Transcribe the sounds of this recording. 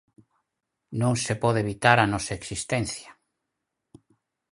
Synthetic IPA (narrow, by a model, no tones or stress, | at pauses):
nõŋsepɔðeβit̪aɾanɔsaeksist̪ɛnθja